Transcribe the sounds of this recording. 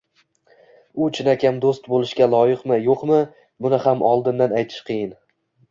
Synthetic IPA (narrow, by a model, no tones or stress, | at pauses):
ʊt͡ʃʰɪnakʲamd̪ost̪bolˠɪʃkʲalˠɒjɪqmɪjoqmɪ | bʊnɪhamʔɒlˠd̪ɪnd̪anajt̪ʰɪ̥ʃqʰɨjɪn